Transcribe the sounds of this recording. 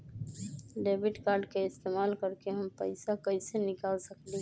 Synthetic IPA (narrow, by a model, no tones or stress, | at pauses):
ɖeːbɪʈkaːɾɖkeɪst̪eːmaːlkəɾkeɦəmpəɪsakəɪsenɪkaːlsəkle